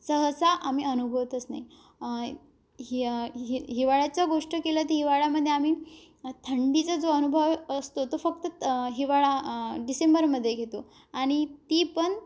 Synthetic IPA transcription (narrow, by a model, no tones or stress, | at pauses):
səɦəsaʔamiːənubʱəʋt̪ət͡sna̰i | ɦiʋaɭjat͡saɡoʂʈəkelət̪iɦiʋaɭjaməd̪ʱːjeamiː | t̪ʰəɳɖit͡səd͡zoənubʱəʋəst̪ot̪ofək̚t̪əɦiʋaɭaɖisembəɾməd̪ʱːjeɡʱet̪o | aɽ̃it̪iːpəɳ